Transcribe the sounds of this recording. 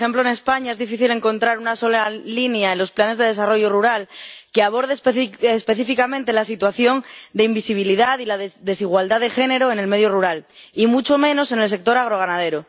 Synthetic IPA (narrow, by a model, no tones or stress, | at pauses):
e̞mploene̞spaɲaezðifiθile̞ŋkõ̞nt̪ɾaɾunaso̞lalinjaenlo̞splane̞zðe̞ð̞e̞saro̞ʝoruɾalkeaβ̞o̞ɾðeespe̞θifikamẽnt̪e̞las̬it̪waθjo̞nd̪e̞imbisiβ̞iliðaðilaððe̞siɣ̞wald̪aðe̞xe̞ne̞ɾoe̞ne̞lme̞ðjo̞ruɾalimut͡ʃo̞mẽ̞no̞se̞nels̬e̞k̚t̪o̞ɾaɣ̞ɾo̞ɣ̞anaðe̞ɾo